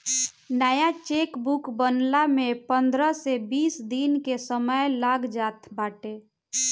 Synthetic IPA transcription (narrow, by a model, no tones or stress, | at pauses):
nəjat͡ʃekbukbənlamepənd̪ɾəsebiːsd̪inkesəməjlaɡd͡ʒaːt̪ʰbaːʈe